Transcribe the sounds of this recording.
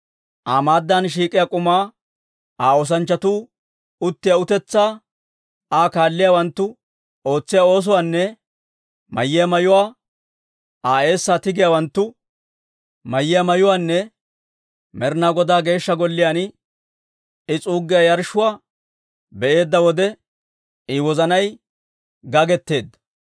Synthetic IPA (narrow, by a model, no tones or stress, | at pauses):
ʔaːmaːd̪ːaːnʃ̬iːkʼɪjakʼʊmaː | aːɔs̬ɐnt͡ʃːɐt̪uː | ʊt̪ːɪjaʊt̪ɛt͡sːaː | aːkaːlːɪjawɐnt̪ːʊ | o̞ːt͡sːɪjao̞ːs̬ʊwaːnːɛ | mɐ̰jːɪjɐmɐjʊwaː | aːe̞ːsːaːt̪ɪɡɪjawɐnt̪ːʊ | mɐjːɪjɐmɐjʊwaːnːɛ | mɛɾnaːɡɔd̪aːɡe̞ːʃːɐɡɔlːɪjaːn | ɪt͡sʼuːɡːɪjajɐɾʃʊwaː | bɛʔe̞ːd̪ːɐwɔd̪ɛ | ɪwɔzɐnɐj | ɡɐɡɛt̪ːe̞ːd̪ːɐ̥